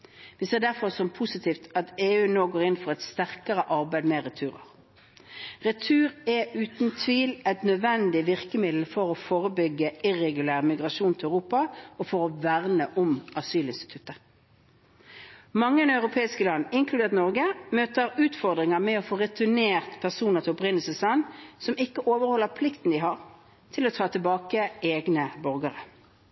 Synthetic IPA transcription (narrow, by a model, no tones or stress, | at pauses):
ʋiseːʁd̪æʁfɔʁsɔmpʰʊsɪt̪ʰiːft̪ɑt̪eːʉːnoːɡoːɾɪnfɔʁɛt̪st̪æʁkəʁəʔɑʁbæɪd̪mɛʁɛt̪ʰʉːʁə̰ʁ | ʁɛt̪ʰʉːʁɛʉːt̪n̩t̪ʰʋiːlɛt̪nœd̪ʋɛnd̪ɪʋɪʁkəmɪd̪l̩fɔʁɔfoːʁəbʏɡːəʔɪʁɛɡʉlæːʁmɪɡʁɑʃuːnt̪ʰlœʉʁuːpɑɔfɔʁɔʋæʁnəʔʊmɑsyːlɪnst̪ɪ̥t̪ʰʉ̥t̪ːəʁ | mɑŋːəɛnɑʉʁʊpʰeːɪskəlɑnːɪŋkʰlʉd̪eːʁt̪nɔʁɡəmøːt̪əɾʉːt̪fɔʁd̪ʁɪŋəmɛɔfoːʁɛt̪ʏneːʁt̪pʰæʁsuːnəʁt̪ʰɪɔpʁɪnəlsəslɑnsɔmɪkːəʔoːʋəɾhɔlːəɾpʰlɪkt̪n̩d̪ɪɦɑʁ | t̪ʰɪlɔt̪ʰɑːt̪ʰɪlbɑːkəeːɡnəbɔʁɡəʁə